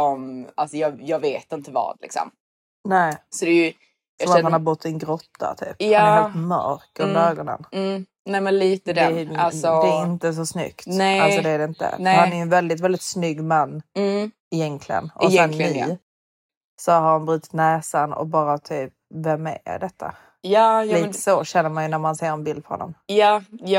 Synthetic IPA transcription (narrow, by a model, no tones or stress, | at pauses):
ɔmalsɔjɑːjɑːɡveːt̪ɪnt̪əvɑ̰ːd̪lɪ̰ksɔ̰m | nɛːsɔd̪ɛj | jsɑɔmahanhaɾbʊt̪ːsɪnɡɾɔt̪ʰːa̰t̪ʰy̰ːpjɑːeːlt̪mœ̰ɾkɵnəɾøːɡɔnə̰n̩ː | nɛmɛnliːt̪əd̪ɛalsɔd̪ɛːɪnt̪əs̬ɔsnʏ̰kt̪ɛalsɔd̪ɛæɾɛɪnt̪ə̰nɛhanæɾjɵɛnvɛld̪ɪt̪̬vɛld̪ɪt̪snʏɡːmanː | ɪjɛnkʰlɪɡə̰nʔɔsɛnːi | sɔhaɾhanbɾʉːt̪ɪ̥t̪nɛːsanɔ̰kbɑːɾat̪ʰyːp̚vɛmɛ̰d̪ɛt̪ʰːa̰ | jɑːliːt̪ə̥soɕɛnːəɾmanjɵnæɾmanseːɾɛnbɪld̪pʰɔɾhɔ̰nɔ̰mjɑːj